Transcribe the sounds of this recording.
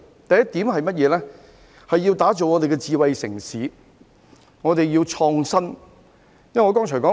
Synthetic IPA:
t̪ɐ˨jɐ˥t̪̚iː˨˥mhɐ˨jmɐ˥t̚jɛː˨˧lɛː˥ | hɐ˨jːiː˧wt̪aː˨˥t͡so˨wŋɔ˨˧t̪e˨jkɛː˧t͡siː˨˧wɐ˨jsɪ˨˩ŋsiː˨˥ | ŋɔː˨˧t̪e˨jjiː˧wt͡ʃʰɔː˧ŋsɐ˥n | jɐ˥˨ŋɔː˨˧kɔː˥ŋt͡ʃʰɔː˨˩kɔː˨˥

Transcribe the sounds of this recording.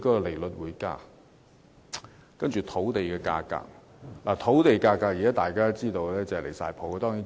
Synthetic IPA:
kɔː˥kɔ˧le˨˩jlɵ˨t̚wuː˨˥jka̰ː˥˩ | kɐ˥nt͡ʃyː˨˩t̪ʰo˨˥wt̪e˨jkɛː˧ka̰ː˧ka̰ː˧k̚ | laː˨˩t̪ʰo˨˥wt̪e˨jkaː˧kːaː˧k̚jiː˨˩aː˦˥t̪aː˨˩jkaː˥t͡siː˥t̪o˧wlɛː˥t͡sɐ˨le˨˩jsaː˧jpʰo˨˧wkɔ˧t̪ɔː˥ŋjiː˨˥n

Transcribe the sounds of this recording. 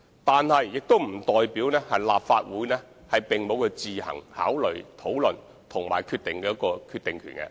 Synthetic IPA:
t̪aː˨nhɐ˨jːɪ˨k̚t̪o˥wm̩˨˩t̪ɔː˨jpiː˨˥wnɛː˥hɐ˨jla̰ː˨pfaː˧t̚wuː˨˥jnɛː˥ | hɐ˨˩jpɪ˨˩ŋmo˨˧wkɐ˧t͡siː˨hɐ̰˨˩ŋha̰ː˨˥wlɵ˨ɥt̪ʰo˨˥wlɵ˨n | t̪ʰʊ˨˩ŋma̰ː˨˩jkʰyː˧t̪̚ɪ˨ŋkɛ˧jɐ˥kɔː˧kʰyː˧t̪ɪ˨ŋkʰy̰ː˨˩nkɛ̰˧

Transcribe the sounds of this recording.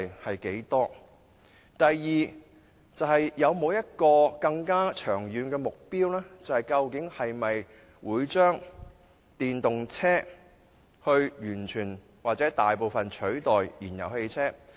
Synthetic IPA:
hɐ˨jke˨˥jt̪ɔː˥ | t̪ɐ˨jjiː˨ | t͡sɐ˨˧whɐ˨jːɐ˨˧wmo˨˧wjɐ˥t̚kɔː˧kɐ˧ŋkaː˥t͡ʃʰœː˨˩ŋjyː˨˧nkɛː˧mʊ˨k̚piː˥wlɛː˥t͡sɐ˨whɐ˨jkɐ˧wkɪ˨˥ŋhɐ˨jmɐ˨j | wuː˨˥jt͡ʃœː˥ŋ | t̪iː˨nt̪ʊ˨ŋt͡sʰɛː˥ | hɵ˧ɥjyː˨˩nt͡ʃʰyː˨˩n | waː˨k̚t͡sɛː˨˥t̪aː˨jpo˨wfɐ˨nt͡ʃʰɵ˨˥ɥt̪ɔː˨jjiː˨˩njɐ̰˨˩whe˧jt͡sʰɛː˥

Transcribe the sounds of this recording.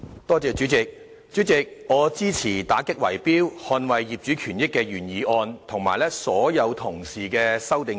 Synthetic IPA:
t̪ɔː˥t͡sɛː˨˧t͡ʃyː˨˥t͡sɪ˨k̚ | t͡ʃyː˨˥t͡sɪ˨k̚ŋɔː˨˧t͡siː˥t͡sʰiː˨˩t̪aː˨˥kɪ˥k̚wɐ̰˨˩jpiː˥whɔː˧nwɐ˨jːiː˨p̚t͡ʃyː˨˥kʰyː˨˩njɪ˥kːɛː˧ɥyː˨˩njiː˨˥ʔɔː˧nt̪ʰʊ˨˩ŋma̰ː˨˩jlɛː˥sɔː˨˥jɐ˨˧wt̪ʰʊ˨˩ŋsiː˨kɛː˧sɐ˥wt̪ɪ˨˧ŋ

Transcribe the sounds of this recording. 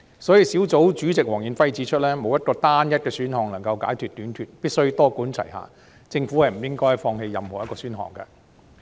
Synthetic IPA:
sɔː˨˥jiː˧si˨˥wt͡so˨˥wt͡syː˨˥t͡sɪ˨k̚wɔː˨˩ŋji˨˩nfɐ˥jt͡siː˨˥t͡ʃʰɵ˥t̚lɛː˥mo˨˧wjɐ˥t̚kɔː˧t̪aː˥njɐ˥t̚kɛː˧syː˨˥nhɔː˨˧ŋlɐ˨˩ŋkɐ˧wka̰ː˨˥jkʰyː˨t̪̚yː˨˥nt̪ʰyː˨t̚piː˥t̚sɵ˥ɥt̪ɔː˥kuː˨˥nt͡sʰɐ̰˨˩jɦa̰ː˨ | t͡sɪ˧ŋfu˨˥hɐ˨jm̩˨˩jɪ˥ŋkɔː˥jjfɔː˧ŋhe˧jːɐ˨mhɔː˨˩jɐ˥tkɔː˧syː˥nɦɔ̰ː˧˩ŋkɛ̰˧

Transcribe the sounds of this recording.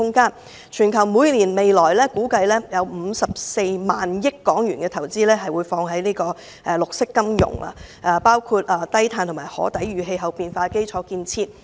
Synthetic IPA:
ʊ˥ŋkaː˥n | t͡ʃʰyː˨˩nkʰɐ˨˩wmuː˨˧jliː˨˩nme˨jlɔː˨˩jlɛː˥kuː˨˥kɐ˧jlɛː˥jɐ˨˧wm̩˨˧sɐ˨p̚se˧jmaː˨njɪ˥kːɔː˨˥ŋjyː˨˩nɡɛː˧t̪ʰɐ˨˩wt͡siː˥lɛː˥ɦɐ˨jwuː˨˧jfɔː˧ŋɦɐ˨˥jniː˥kɔː˧ | ʔɛ˧lʊ˨k̚sɪ˥kːɐ˥mjʊ̰˨˩ŋla̰˧ʔaː˧paː˥wkʰu˧t̚aː˧t̪ɐ˥jt̪ʰaː˧nt̪ʰʊ˨˩maː˨˩jhɔ̰ː˨˥t̪ɐ˨˥jɥyː˨˩ɦe˧jɦɐ˨wpiː˨˧nfaː˧ke˥jt͡ʃʰɔː˨˧˥kiː˧nt͡sʰiː˧t̚

